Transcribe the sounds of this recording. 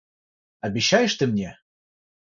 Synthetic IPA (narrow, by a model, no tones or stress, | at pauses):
ɑbʲiɕːɑjə̆ʃt̪ɘ̆mnʲe